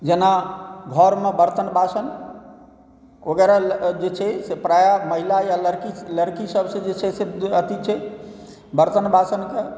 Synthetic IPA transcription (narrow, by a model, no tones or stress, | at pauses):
d͡ʒenaɡʱɔɾmebəɾt̪ənbasən | oɡɛɾad͡ʒet͡ʃʰɛsepɾajaməɦilajaləɾkiləɾkisəbsẽd͡ʒet͡ʃʰɛseət̪it͡ʃʰɛ | bəɾt̪ənbasənke